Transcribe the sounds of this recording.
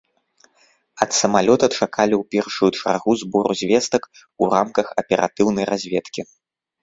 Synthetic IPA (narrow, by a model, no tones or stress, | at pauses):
ɐt̪sɐmalʲɔt̪ɐt͡ʂakʰalʲiwpʲɛrʂujut͡ʂa̰rɣuzbɔɾuzʲvʲɛst̪ɐk | uramkɐxɐpʲɛɾʔa̰t̪ɨwnɐjrʔazʲvʲɛt̪kʲi